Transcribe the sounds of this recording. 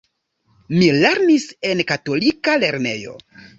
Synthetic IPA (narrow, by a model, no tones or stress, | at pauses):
mile̞ɾnise̞nkato̞likale̞ɾne̞̰jo̞̰